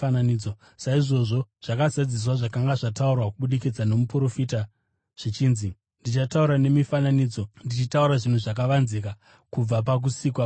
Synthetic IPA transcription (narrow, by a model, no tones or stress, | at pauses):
ananiːd͡zo | saiʐo̞ʐo̞ʐ̥akazad͡zis̬waʐakaŋɡaʐataurwakuɓuɗikid͡zano̞mupuro̞fita | ʐ̥it͡ʃiːnzi | ndit͡ʃatauɾane̞mifananiːd͡zo̞ndit͡ʃitauɾaʐin̤uʐak̬aʋanzika | kub͡vapak̬usiːkwa